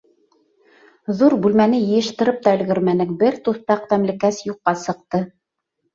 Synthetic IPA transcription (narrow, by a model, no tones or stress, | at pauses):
ðuɾbʉlmænɘjɤ̆jɤ̆ʃt̪ɤ̆ɾɤp̚t̪ɑɘ̆lɡɘ̆ɾmænɘŋkbɘɾt̪uθt̪ɑq̚t̪æmlɘ̆kæsjuqːɑsɤ̆q̚t̪ɤ